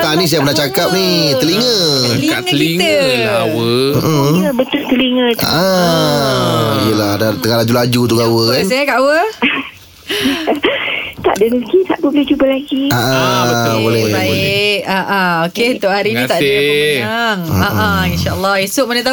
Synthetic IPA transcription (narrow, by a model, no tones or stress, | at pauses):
t̪anis̬ajapənaht͡ʃakap̚nit̪əliŋəlialiiŋəawəəʔ̩əbət̪ʊlt̪əliŋəa̰ʔa | ijəladat̪əŋalad͡ʒulad͡ʒut̪uɡawəkans̬ajakaʔwə | t̪a̰ʔdənəɡisaʔt̪ubolet͡ʃubəlaɡiaʔabolɛbablɛʔaʔaoket̪oʔhaɾinnĩt̪aʔəaŋaʔainʃaəlːɑesʊʔmanat̪a